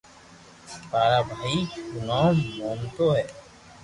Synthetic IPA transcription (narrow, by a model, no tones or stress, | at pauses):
paːɾaːbʱaːiːkʊnaːnmoːnt̪oːɦɛː